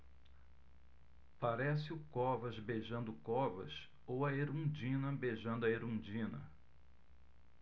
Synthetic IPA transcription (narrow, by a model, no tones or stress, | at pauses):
paɾɛsɪʊkɔvɐzbeʒɐ̃nd̪ʊkɔvɐ̰s | owɐeɾũd͡ʒĩnɐbeʒɐ̃nd̪ʊɐeɾũd͡ʒĩnɐ̰